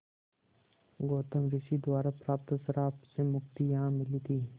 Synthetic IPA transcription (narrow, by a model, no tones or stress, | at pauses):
ɡoːt̪əmɾɪsid̪waːɾapɾaːp̚t̪asɐɾaːpsemʊkt̪ijɐɦãmɪliːt̪ʰiː